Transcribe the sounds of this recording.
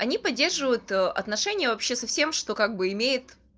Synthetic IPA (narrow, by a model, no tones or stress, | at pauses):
ɐnʲipɐdʲːe̞rʐɨvəjʊt̪əʔɐ̰t̪nɐʂɛnʲɪjəvɐpɕːesɐfsʲe̞mʂt̪o̞kaɡ̚bɨɪmʲejɪt̪